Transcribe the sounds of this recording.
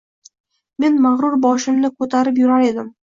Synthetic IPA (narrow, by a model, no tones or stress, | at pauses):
me̞nmaʁɾʊɾbɒʃɪmnɪkʰɵt̪ʰaɾɪp̬jʊɾaɾe̞d̪ɪm